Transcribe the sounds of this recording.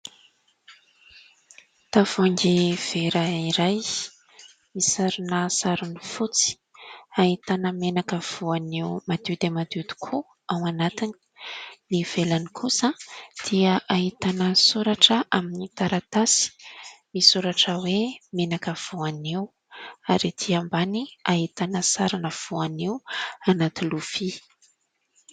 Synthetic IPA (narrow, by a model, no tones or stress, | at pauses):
t̪av̥aŋɡiv̥eɾəiɾaj | misaɾunəsaɾunifut͡si̥ | aɦit̪anəmenakəv̥uanewmad̪̥ud̪emad̪ud̪i̥kʰu | awanat̪ini̥niv̥elanikʰusəd̪̥iəʔaɦit̪anəsuɾaʈ͡ʂəʔaminit̪aɾat̪asi̥misuɾaʈ͡ʂəwemenakəv̥uanew | aɾid̪̥iambaniaɦit̪anəsaɾanəv̥uanewanat̪ilufi